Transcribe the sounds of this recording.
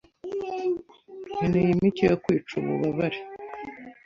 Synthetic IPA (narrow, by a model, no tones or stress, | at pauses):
ninejimicijokwiːt͡ʃṵβṵβaβaɾe